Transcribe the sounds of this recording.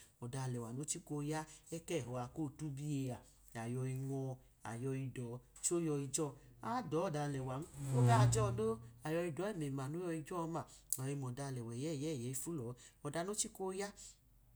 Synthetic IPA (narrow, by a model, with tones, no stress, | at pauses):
ɔ˨da˧˨lɛ˨wa˨no˦t͡ʃi˦ko˧ja˦ɛ˦kɛ˦˨ɦɔ˧a˧ko˦˨tu˦bi˦e˧a˨ | a˨jɔ˧i˧ŋʷɔ˧ | a̰˨jɔ˧i˧dɔ˨˦ | t͡ʃo˦jɔ˧i˧d͡ʒɔ˦˧a˦dɔ˨˦ɔ˦˨da˧lɛ˨wa˨n̩˦o˦ɡa˦˨d͡ʒɔ˧do˦a˨jɔ˧i˧dɔ˨˦ɛ˦˨me˨ma˨no˦jɔ˧i˧d͡ʒɔ˦˧ma˨ɔ˨i˧mɔ˨da˧lɛ˨wɛ˨jɛ˦˨jɛ˨˦˨jɛ˨˦i˧fu˦lɔ˨˦ɔ˨da˧no˦t͡ʃi˦ko˦ja˦